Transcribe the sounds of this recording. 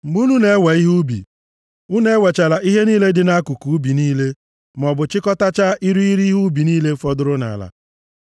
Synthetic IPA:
m̩˨ɡ͡bu˦nu˦ne˦we˨i˦ɦu˦bḭ˨ | u˦ne˦we˨t͡ʃa˨la˨ʔi˦ɦe˦niː˦le˦dɪ˨na˦ku˨ku˨u˦bi˨niː˦le˦ | m˨ɔ˨bʊ˨t͡ʃɪ˦kɔ˦ta˦t͡ʃa˦ʔi˦ɾu˦i˦ɾi˦ɦu˦bi˨niː˦le˦fɔ˦dʊ˦ɾʊ˦na̰˨a˨la̰˨

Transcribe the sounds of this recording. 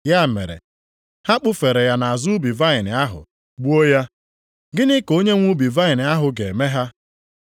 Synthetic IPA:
ja˦˨mḛ˨ɾḛ˨ | ha˦k͡pʊ˦fe˨ɾe˨ja˦na˨a˨zu˦bi˨va˦ɪ˨nɪ˨a˦ɦʊ̰˨ | ɡ͡bu˦o˦ja˦ | ɡɪ˦nɪ˦ko˦ɲe˦ŋʷu˦bi˨va˦ɪ˨nɪ˨a˦ɦʊ˨ɡe˨me˦ɦa˦

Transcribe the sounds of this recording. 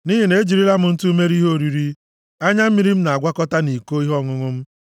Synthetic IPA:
ni˦ɦi˨ne˨˦d͡ʒi˨ɾi˦ɾa˦mʊ˨n̩˦tu˦me˦ɾi˦ɦo˦˨ɾi˨ɾi˦ | a˦ɲa˦m̩˦mi˨ɾi˦m̩˦na˨a˨ɡʷa˦kɔ˦ta˦ni˨ko˦i˦ɦɔ˦˨ŋʊ˦ŋʊ˦m̩˦

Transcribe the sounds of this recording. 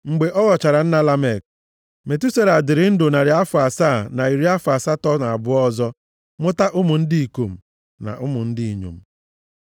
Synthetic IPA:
ŋ͡m̩˨ɡ͡be˨ʔɔ˦ɣɔ˨t͡ʃa˨ɾa˨n̩˦na˦la˦me˨k̚ | me˨tu˦se˦ɾa˨dɪ˨ɾɪ˨˦n̩˦dʊ˨na˨ɾɪ˨a˦fʊ˨a˨saː˦˨na˨i˨ɾi˦a˦fʊ˨a˨sa˦tɔ˦na˨a˨bʊ˦ɔ˦zɔ˦ | mʊ˦ta˦ʔʊ˦mʊ˨n̩˦di˦i˨ko˨m̩˨ | na̰˨ʔʊ˦mʊ˨n̩˦dɪ˦i˨ɲo̰˨m̩˦

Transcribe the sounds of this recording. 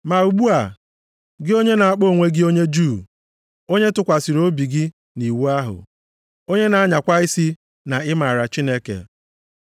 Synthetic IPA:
ma˨u˨ɡ͡bu˦a˨ | ɡɪ˦o˦ɲe˦na˨a˨k͡po˦˨ŋʷe˦ɡɪ˦o˦ɲe˦d͡ʒuː˦˨ | o˦ɲe˦tʊ˦kʷa˨si˨ɾo˦bi˨ɡɪ˦ | ni˨wu˦a˦ɦʊ̰˨ | o˦ɲe˦na˨a˦ɲa˨kʷa˦ɪ˦si˦ | na˨ɪ˦ma˨ɾa˨t͡ʃi˦ne˦kḛ˨

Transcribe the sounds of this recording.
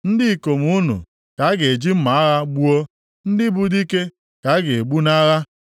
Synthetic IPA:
n̩˦dɪ˦˨ko˨m˨u˦nṵ˨ | ka˨˦ɡe˨e˨d͡ʒi˦m̩˦ma˨a˦ɣa˦ɡ͡bu˦o˦ | n̩˦dɪ˦bu˦di˦ke˦ | ka˨˦ɡe˨e˨ɡ͡bu˦na˦ɣa˦

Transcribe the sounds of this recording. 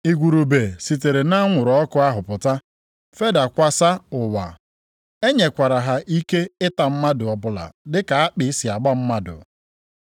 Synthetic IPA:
i˨ɡʷu˨ɾu˨be˨si˨t̬e˨ɾe˨na˦ŋʷʊ˨ɾɔ˦kʊ˦a˦ɦʊ˨pʊ˨ta˦ | fe˦da˨kʷa˦sa˦ʊ˨wa̰˨ | e˦ɲe˨kʷa˨ɾa˨ɦa˨ʔi˦ke˦ɪ˦ta˨m̩˦ma˦dʊ˨ɔ˨bʊ˨la̰˨dɪ˦ka˨a˦k͡pɪ˦si˨a˨ɡ͡bɔ˦m̩˦ma˦dʊ̰˨

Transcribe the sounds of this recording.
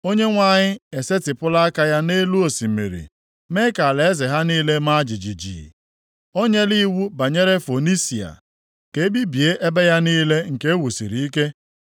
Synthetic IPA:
o˦ɲe˦ŋʷa˦˨ɲɪ˦e˨se˦tɪ˨pʊ˦la˦a˦ka˦ja˦ne˦lu˦o˨si˨mḛ˨ɾḭ˨ | me˦ka˨le˨˦zɪ˨ɦa˦niː˦le˦ma˦d͡ʒi˨d͡ʒi˨d͡ʒḭ˨ | o˦ɲe˦li˦wu˦ba˨ɲe˦ɾe˦fo˨ni˦si˨a̰˨ | ke˨e˦bi˦bi˨e˦ʔe˦be˦ja˦niː˦le˦ŋ̩˨ke˦wu˨sḭ˨ɾi˨i˦ke˦

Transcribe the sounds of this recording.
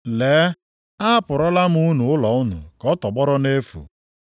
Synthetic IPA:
leː˨˦ | a˦pʊ˨ɾɔ˦la˦m˦u˦nu˨ʊ˦lɔ˨ʊ˦nʊ̰˨kɔ˦tɔ˨ɡ͡bɔ˦ɾɔ˦ne˦fṵ˨

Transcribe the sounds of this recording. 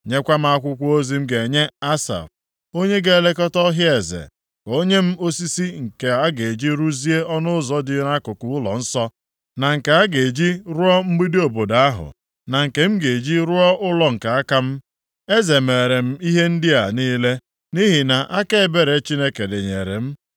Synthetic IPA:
ɲe˦kʷa˦m̩˦a˦kʷʊ˦kʷo˦zi˨˦m̩˦ɡe˨ɲe˦a˦sa̰˨f | o˦ɲe˦ɡe˦˨le˦kɔ˦tɔ˦ɦje˨zḛ˨ | ko˦ɲe˦m̩˦o˦si˦si˦ŋ̩˨ke˨a˦ɡe˨e˨d͡ʒi˦ɾu˦zi˦e˦ɔ˦nʊ˦ʊ˦zɔ˦dɪ˦ɾa˦kʊ˨kʊ˨ʊ˦lɔ̰˨n̩˦sɔ˦ | na˨ŋ̩˨ke˨a˦ɡe˨d͡ʒi˦ɾʊ˦ɔ˦m̩˦ɡ͡bi˦dɪ˦o˨bo˨da˨a˦ɦʊ̰˨ | na˨ŋ̩˨ke˨m̩˦ɡe˨d͡ʒi˦ɾʊ˦ɔ˦ʔʊ˦lɔ˨ŋ̩˨ka˨a˦ka˦m̩˦ | e˦ze˨me˨ɾe˨m̩˦i˦ɦe˦n̩˦dɪ˦a˨niː˦le˦ | ni˦ɦi˨na˨ʔa˦ke˦e˨be˨ɾe˨˦t͡ʃi˦ne˦ke˨de˨ɲḛ˨ɾḛ˨m̩˦

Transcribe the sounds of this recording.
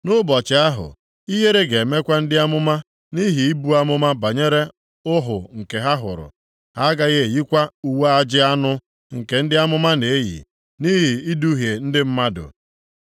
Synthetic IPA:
nʊ˦bɔ˨t͡ʃɪ˨a˦ɦʊ̰˨ | i˦ɦe˦ɾe˦ɡe˨me˦kʷa˦n̩˦dɪ˦a˦mʊ˦ma˦ | ni˦ɦi˨i˦bu˦a˦mʊ˦ma˦ba˨ɲe˦ɾe˦ | ʊ˦ɦʊ˨ŋ̩˨ke˨ɦa˦ɦʊ̰˨ɾʊ̰˨ | ha˦ɡa˦ɣe˦e˨ji˦kʷa˦u˦we˦a˦d͡ʒɪ˦a˦nʊ˦ | ŋ̩˨ke˨n̩˦dɪ˦a˦mʊ˦ma˦ne˨e˦jḭ˨ | ni˦ɦi˨i˦du˦ɦje˨n̩˦dɪ˦m̩˦ma˦dʊ̰˨

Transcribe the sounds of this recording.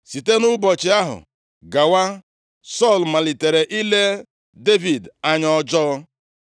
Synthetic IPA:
si˨te˦nʊ˦bɔ˨t͡ʃɪ˨˦a˦ɦʊ̰˨ | ɡa˨wa˦ | sɔ˦˨lma˨li˨te˨ɾe˨ʔi˦le˦ | de˦vi˨da˨ɲɔ˦d͡ʒɔ˦

